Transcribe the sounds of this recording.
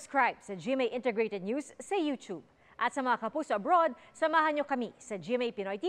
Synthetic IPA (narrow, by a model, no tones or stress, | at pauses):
skɹajbsɐd͡ʒimejʔɪ̃nt̪ɛɡɹet̪ɛd̪̚njuːsːɐjut̪ub̚ | ʔɐt̪sɐmɐŋakɐpuːsoʔɐbɾod̪̚sɐmaːɦɐnɲokɐmisɐd͡ʒiɛmejpinojt̪i